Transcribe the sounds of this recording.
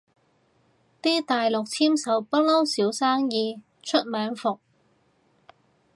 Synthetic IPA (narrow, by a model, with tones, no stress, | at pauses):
t̪iː˥t̪aː˨jlʊ˨k̚t͡sʰiː˥msɐ˨˥wpɐ˥t̚lɐ˥wsiː˨˥wsaː˥ŋjiː˧ | t͡ʃʰɵ˥t̚mœː˨˥ŋfʊ˨k̚